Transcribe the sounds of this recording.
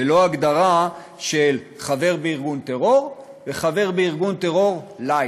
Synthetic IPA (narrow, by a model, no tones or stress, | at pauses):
elo̞aɡd̪aʁa | ʃel | χave̞ʁbeiʁɡunt̪eʁo̞ʁ | veχave̞ʁbeiʁɡunt̪e̞ʁo̞ʁla